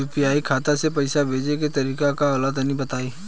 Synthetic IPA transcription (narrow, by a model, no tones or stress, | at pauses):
uːpijaːikʰaːt̪asepɐɪsabʱeːd͡ʒeket̪ɐɾiːkakalət̪nɦĩbɐt̪aːiː